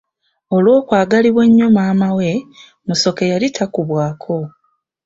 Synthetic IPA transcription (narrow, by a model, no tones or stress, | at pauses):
o̞lwo̞ːkwaːɡaliβwe̞ɲːomaːmawe̞ | muso̞ke̞jalitʰakuβwaːkʰo̞